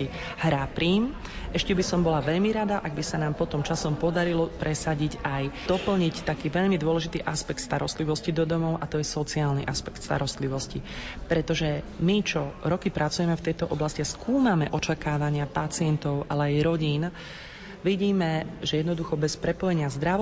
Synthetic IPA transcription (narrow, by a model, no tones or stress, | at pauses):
i | hɾapɾiːm | ɛʃcɛbisɔmbɔlaʋɛʎmiɾad̪aʔaɡ̚bisanaːmpɔt̪ɔmt͡ʃasɔmpɔd̪aɾilɔpɾʔɛsaɟicajd̪̥ɔpl̩ɲict̪akiːʋɛʎmid̪ʊɔlɛʒit̪iːʔaspɛk̚t̪st̪aɾɔst̪liʋɔscid̪ɔd̪ɔmɔʊʔat̪ɔjɛsɔt͡siaːlnḭʔaspɛkt̪st̪a̰ɾɔst̪liʋɔscipɾɛt̪ɔʒɛmit͡ʃɔɾɔkipɾʔat͡sujɛmɛft̪ɛjt̪ɔʔɔblasciaskʰuːmamɛʔɔt͡ʃakaːʋaɲɪapat͡sɪɛnt̪ɔʊʔa̰lɛajɾɔɟiːn | ʋiɟiːmɛʒɛjɛd̪nɔd̪uxɔbɛspɾɛpɔjɛɲɪazd̪ɾa